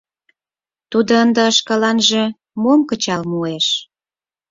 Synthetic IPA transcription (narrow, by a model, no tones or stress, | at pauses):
t̪ud̪oənd̪ə̆ːʃkɑlɑnʒĕ | momkə̆t͡ɕɑlmueʃ